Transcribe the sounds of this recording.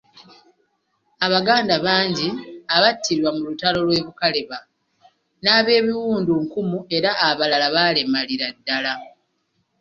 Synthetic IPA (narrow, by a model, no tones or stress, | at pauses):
aβaɡaːndaβaːɲɟiaβatʰːiɾwamulutalo̞lwe̞ːβukale̞βa | naːβe̞ːβiwuːnduŋkumue̞ɾaːβalalaβaːle̞maliɾadːala